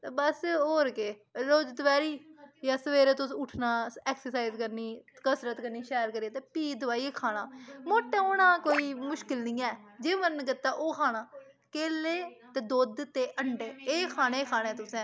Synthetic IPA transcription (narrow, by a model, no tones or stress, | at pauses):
t̪eːbəsɦoːɾkeːɾoːd͡ʒt̪ʋɛːɾiːjaːsəʋeːɾeːt̪ʊsːʊʈʰnaːɛːksəɾsaːizkəɾniːkəsɾət̪kəɾniːʃɛːɾkəɾieːt̪eːpiːd̪ʊʋaːiːeːkʰaːɽ̃aːmoːʈːɛ̃ːoːɽ̃ãːkoːiːmʊʃkɪlnɪ̃ːɛːd͡ʒeːməɾnkɪt̪ːaːʔoːkʰaːɽ̃aː | keːleːt̪eːd̪oːd̪t̪eːʔəɳɖeːeːkʰaːɽ̃eːkʰaːɽ̃ẽːt̪ʊsɛ̃ː